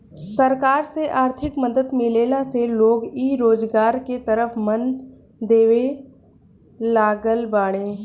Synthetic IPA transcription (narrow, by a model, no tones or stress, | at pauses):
səɾkaːɾseʔaːɾt̪ʰɪkməd̪əd̪mɪleːlaseloːɡiːɾoːd͡ʒɡaːɾket̪əɾəfmən | d̪eːʋe | laːɡəlbaːɽ̃ẽː